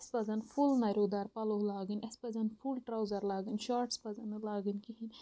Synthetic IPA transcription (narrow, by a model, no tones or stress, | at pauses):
spɐzɐnfʰulnɐɾʲoːd̪aːɾpɐloɦlaːɡɨnʲɐspɐzɐnfʰulʈɾɐwzɐɾlaːɡɨnʃaːɾʈspɐzɐnɨlaːɡɨnʲkiɦinʲ